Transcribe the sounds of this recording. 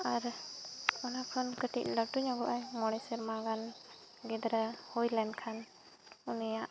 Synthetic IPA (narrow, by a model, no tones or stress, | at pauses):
aɾ | ɔnakʰɔnkəʈic̪̚ˀləʈuɲɔɡɔʔajmɔɽɛsɛɾmaɡan | ɡɛd̪ɾahɔjlɛnɖkʰan | unijaʔ